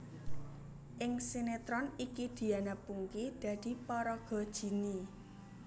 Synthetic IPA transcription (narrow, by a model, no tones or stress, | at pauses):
ʔɪŋsinet̪ɾɔnikid̪̥i̤anapuŋkid̪̥ä̤d̪̥i̤pɔɾɔɡ̥ɔ̤d̥ʒ̥i̤ni